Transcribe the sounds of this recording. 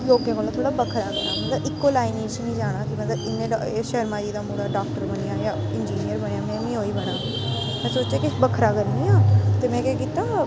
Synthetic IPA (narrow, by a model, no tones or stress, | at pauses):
loːkẽːkoːlaːt̪ʰoːɽaːbəkʰɾaːkəɾaːmət̪ləbɪkːoːlaːiːniːd͡ʒt͡ʃnĩːd͡ʒaːɽ̃aːkɪmət̪ləbɪnːẽː | ʃɛːɾmãːd͡ʒiːd̪aːmuːɽaːɖaːk̚ʈəɾbəɳijaːjaː | ɪnd͡ʒiːnɪjəɾbəɳjaːmɛ̃ːmĩːɦoːiːbəɽaː | mɛ̃ːsoːt͡ʃeːkɪbəkʰɾaːkəɾniːaːt̪eːmɛ̃ːkɛːkiːt̪aː